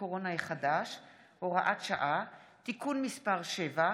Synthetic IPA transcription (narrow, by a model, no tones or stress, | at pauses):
oʁonajeχadaʃ | hoʁaʔatʃaʔatikunmispaʁʃeva